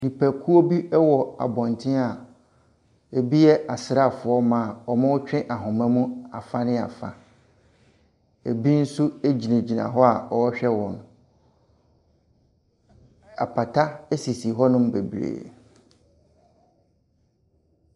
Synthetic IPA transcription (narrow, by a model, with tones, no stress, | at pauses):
nĩ˨pʰæ˨kʰu˦o˦bi˦ɛ˦wɔ˨a̰˨bɔ̃˨ntʰɪ̃˦a˨ | e˨bi˦jɛ˦ʔa˨sɪ˨ɾa˦˨fʊ˨ɔ˦mãː˨ɔ˨mã˦wʊ˦t͡ɕᶣɪ̃˦ʔa˨ɦʊ̃˨mɛ̃˦mũ˦a˨fa˦nɪ̃˦a̰˨fa̰˨ | e˨bi˦n̩˦su˦e˦d͡ʑi˨nẽ˨d͡ʑi˨nã̰˨ɦɔ˦a˨ɔ˨wɔ˦ɕᶣɛ˦wɔ̃˨n˨ | a̰˨pʰa˨tʰa˦e˦si˨si˨ɦɔ˦nʊ̃˦m˦be˨bɾḛː˨